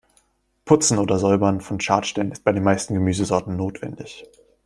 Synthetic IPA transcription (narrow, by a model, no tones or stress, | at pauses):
pʰʊt͡sn̩ʔoːdɐzɔʏbɐnfɔnʃaːtʃtɛlənɪst̚b̥aɪdeːnmaɪstn̩ɡəmyːzəzɔɐtn̩noːtv̥ɛ̰ndɪç